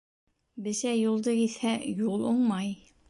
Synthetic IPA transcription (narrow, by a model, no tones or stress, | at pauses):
bɘ̆ɕæjulˠd̪ɤkit̪hæjulˠoɴmɑj